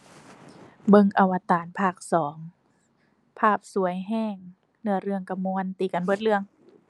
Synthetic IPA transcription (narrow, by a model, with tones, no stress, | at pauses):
bɤ˧˨ŋʔa˨˩wa˧t̪aː˨˦npʰaː˧˩k̚sɔː˩˦ŋ | pʰaː˥˩p̚su˨˩˦əjɦɛː˧˩ŋ | nɯ˧ɐɾɯ˧əŋka˧muː˧nt̪iː˨˩ka˨nbo˧˩t̪̚lɯ˧əŋ